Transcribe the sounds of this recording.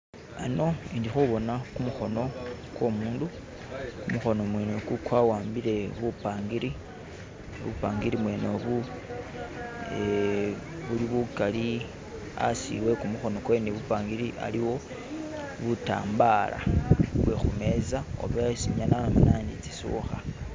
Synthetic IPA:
ano̞indixuβo̞nakumuxo̞no̞kwo̞muːndu | kumuxo̞nomweːnokukwawaːmbiɾe̞βupaːŋɡiɾi | βṵpaːŋɡiɾimwe̞ːno̞βu | e | βuliβukali | a̰sḭwe̞kumuxo̞no̞kwe̞neβupaːŋɡiɾiʔa̰liwo̞ | βuta̰ːmbala̰βwexume̞zao̰βesiɲanamanandit͡si̥sṵxa

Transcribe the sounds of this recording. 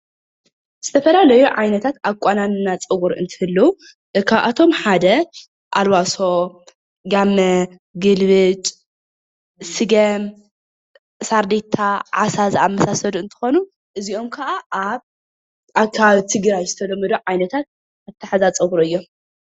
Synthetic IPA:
z̥ɨt̪ʰɐfɐlalɐjuʕajnɐt̪ʰat̪ʔaβkʷʼananɨnat͡sʼɨɣuɾɨ̰nt̪ʰɨ̥hɨlːɐwu | kʰaβʔat̪ʰo̞mħad̪ɐ | ʔalwaso̞ | ɡamːɐ | ɡɨlβɨt͡ʃʼ | sɨɡɐm | saɾd̪et̪ʰːaʕasazamːɐsasɐduɨnt̪ʰɨ̥xo̞nu | ʔɨzio̞mkʰɐʔaʔaβ | akʰaβt̪ʰɨɡɾajzɨt̪ʰɐlɐmːɐd̪oʕajnɐt̪ʰat̪̚ | ʔaβt̪ʰɐħazat͡sʼɐɣuɾɨjːo̞m

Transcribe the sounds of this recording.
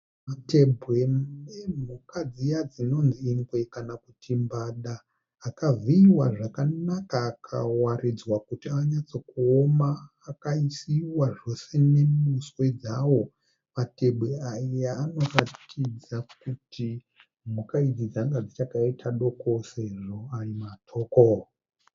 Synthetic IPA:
mate̞bʱwe̞em̤ukad͡zijad͡zino̞nziːŋɡwe̞kanakutʰimbaːɗaː | kaviiwaʐakanakaːkʰa̰warid͡zwakutiaɲat͡so̞kuomaː | kaisiwaʐo̞se̞ne̞muswe̞d͡zawo̞ | mate̞ɓweaijaːno̞ratʰid͡zakutʰi | mukaid͡zid͡zaŋɡad͡zit͡ʃakaitʰaɗo̞kose̞ʐo̞arimatʰo̞ːko

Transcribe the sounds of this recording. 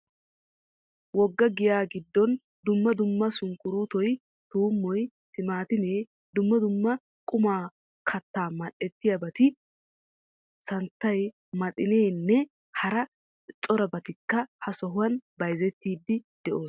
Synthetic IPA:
wɔɡːɐɡɪjaːɡɪd̪ːɔn | d̪ʊmːɐd̪ʊmːɐsʊŋkʊɾut̪ɔj | t̪uːmːɔj | t̪ɪmaːt̪ɪne̞ː | d̪ʊmːɐd̪ʊmːɐ | kʼʊmaː | kʰɐt̪ːaːmɐɗɛt̪ːɪjɐbɐt̪ɪ | sɐnt̪ːɐj | mɐt͡sʼɪneːnːɛ | hɐɾɐ | t͡ʃʼɔɾɐbɐt̪ɪkːɐhɐsɔɦʊwɐnbɐjzɛt̪ːiːd̪ːɪd̪̥ɛʔo̞ːs

